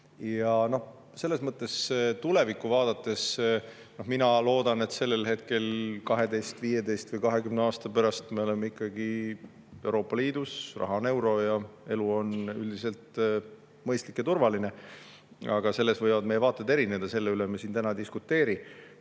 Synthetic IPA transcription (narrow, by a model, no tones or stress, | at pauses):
jɑno̞h | se̞lːesmɤt̪ːˑe̞st̪ule̞vikˑːuvɑːd̪̥ɑt̪ːˑe̞s | no̞hminɑlo̞ːd̪̥ɑne̞t̪se̞lːe̞lɦe̞t̪̚ke̞lkɑɦe̞d̪e̞jst̪viːje̞d̪e̞jst̪vɨjkɑɦe̞kymneɑːst̪ɑpæɾɑst̪me̞o̞le̞meikːˑɑɡ̥i | e̞wɾo̞ːpːˑɑliːd̪̥usrɑ̰ɦɑne̞wɾo̞jɑe̞luo̞nyld̪ise̞lt̪ | mɤjst̪likjɑt̪urvɑline̞ | ɑɡ̥ɑse̞lːe̞svɤjvɑd̪̚mejevɑːt̪ːˑed̪e̞ɾine̞d̪̥ɑse̞lːeylemesiːnt̪ænɑd̪iskut̪ːˑe̞ːɾi